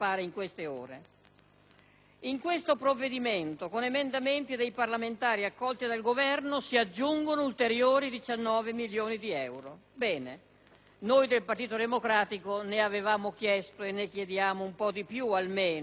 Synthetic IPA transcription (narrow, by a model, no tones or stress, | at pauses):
paːɾeiŋkwest̪eoːɾe | iŋkwest̪opɾovːed̪iment̪okonemend̪ament̪id̪ejparlament̪aːɾiakːɔlt̪id̪alɡovɛrnosiad͡ʒːuŋɡonoult̪eɾjoːɾid̪it͡ʃanːɔːvemiljoːnid̪iɛwɾobɛːne | nojd̪elpart̪iːt̪od̪emokɾaːt̪ikoneavevaːmokjɛst̪oenːekjed̪jaːmoumpɔd̪ipjualmeːn